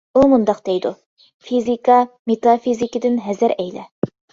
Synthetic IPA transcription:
umund̪ɑqd̪̥ejd̪u | fizikɑmet̪ɑfizikid̪ɪnɦɛzɪɾɛjlɛ̰

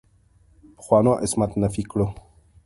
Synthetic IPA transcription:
pχwanaʔesmat̪nafiklo

